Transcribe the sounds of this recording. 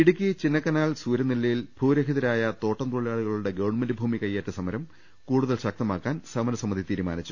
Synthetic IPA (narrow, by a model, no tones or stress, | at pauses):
iɽuk̬ʲːit͡ɕinːɐkːɐnaːlsuːɾɐnilːɐjilbʱuːɾɐɦiðɐɾaːjɐt̪o̞ːʈːɐmt̪uɭijaːɭuɣɐɭuɽe̞ɡeʋɳmɐndɨbʱuːmikɐjːeːtːɐsɐmɐɾɐm | kuːɽuðɐlɕɐk̚t̪ɐmaːkːaːnsɐmɐɾɐsɐmːɐðʱit̪iːɾuma̰ːnit͡ɕːu